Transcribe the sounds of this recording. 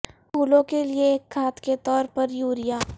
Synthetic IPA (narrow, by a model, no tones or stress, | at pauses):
pʰuːlõkelieːkʰːaːt̪ket̪ɔːɾpɐɾjuːɾijaː